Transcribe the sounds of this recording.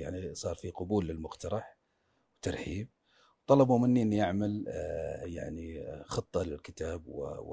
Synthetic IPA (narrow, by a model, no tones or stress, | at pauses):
a̰ʕnisˤɑːɾˤfiqʊbuːlːɪlmʊqt̪ɑɾˤɑħ | wt̪ɑɾˤħiːb̚ | wt̪ˤɑlɑbumɪnːiʔɪnːiʔaʕmal | ja̰ʕnixɨt̪ˤːɑlɪlkɪt̪aːbwɪ̰